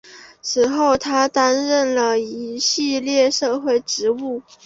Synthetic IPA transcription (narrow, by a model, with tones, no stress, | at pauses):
t͡sʰɹ̩˨˥xo˥˩ʊt̪ʰa˥t̪a˥nɻə˥˩nlə˩i˧˥ɕi˥˧ljɛ˥˧ʂɤ˥˧xwe˥˩ɪʈ͡ʂɻ̩˧˥u˥˩